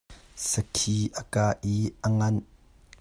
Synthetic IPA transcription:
səkʰiʔəkaːʔiʔəŋɐn

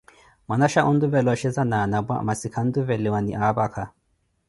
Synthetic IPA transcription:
manaʃaʔund̪uvɛlaʃɛzanaːnabwa̰masikʰand̪uvɛlewanḭʔaːbakʰa

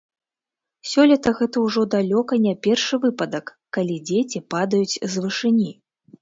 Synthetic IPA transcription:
sʲɔlʲɐt̪ɐɣɛt̪ɐwʐɔd̪alʲɔkɐnʲapʲɛrʂɨvɨpɐd̪ɐkːalʲid͡zʲet͡sʲipad̪ɐjut͡sʲzvɨʂɨnʲi

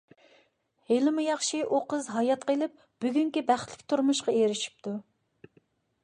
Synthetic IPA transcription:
helɪmujɑχʃiʔuqəzɦɑjɑt̪qelˠɪp̚ | b̥yɡʲyŋkʲibæχt̪lɪ̥kʲt̪ʰuɾmuʃqɑeɾɪʃi̥p̚t̪ʰu

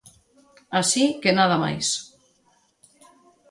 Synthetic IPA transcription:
asikenaðama̰js

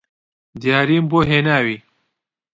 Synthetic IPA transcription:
d̪jaːɾiːmboːɦeːnaːwiː

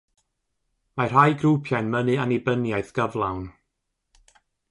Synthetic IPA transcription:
mar̥ɦajɡrupʰjanmənɨanibənjaɨθɡ̥əvlˠawn

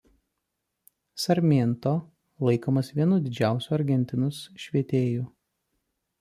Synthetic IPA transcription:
sɐɾʲmʲent̪oː | lˠɐɪkoːmɐsʋʲiɛnʊd̪ʲɪd͡ʒʲæˑʊsʲuːɐɾʲɡʲɛnʲt̪ʲɪnʊsʃʲʋʲiɛt̪ʲeːjuː

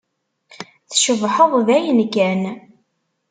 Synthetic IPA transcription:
θʃəvħəðˤðæjənkæn

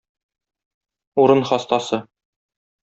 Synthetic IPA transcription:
uɾɤnχɒst̪ɑsɤ

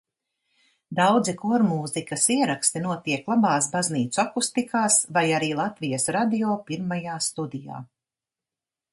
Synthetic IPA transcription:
d̪awd̪zikuɔɾmuːzikɐsiɛɾakst̪inuɔt̪iɛklˠabaːsbazniːt̪suakust̪ikʰaːsvajaɾiːlˠat̪vijɐsɾad̪ioːpiɾmajaːst̪ud̪ija̰ː

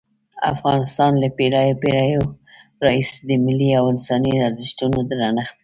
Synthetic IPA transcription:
a̰fɣɑnɪst̪ɑnlapeɾɑjopeɾɑjoɾɑised̪əmɪliawɪnsɑniaɾzɪʃt̪unod̪əɾɑnəxt̪

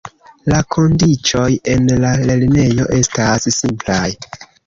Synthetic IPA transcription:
lakʰo̞ndit͡ʃo̞je̞nlale̞line̞jo̞ʔe̞stassimplaj

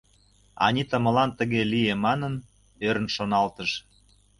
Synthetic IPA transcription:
ɑ̰nʲit̪əmə̆lɑnt̪ə̆ɣeliemɑnən | øɾənʃonɑlt̪əʃ

